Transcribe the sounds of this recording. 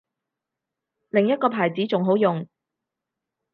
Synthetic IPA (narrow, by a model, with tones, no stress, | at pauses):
lɪ˨˩ŋjɐ˥t̚kɔː˧pʰaː˨˩jt͡siː˨˥t͡sʊ˨ŋɦo˨˥wjʊ˨ŋ